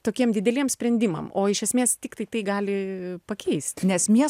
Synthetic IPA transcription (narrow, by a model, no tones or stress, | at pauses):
t̪oːkʲiɛmd̪ʲɪd̪ʲɛlʲiɛmsʲpʲɾʲɛnʲd̪ʲɪmɐ̰moːɪʃʲɛsʲmʲeːst̪ʲɪkt̪ɐɪt̪ɐɪɡɑːlʲɪpɐkʲʰɛɪsʲt̪ʲnʲɛsmʲiɛ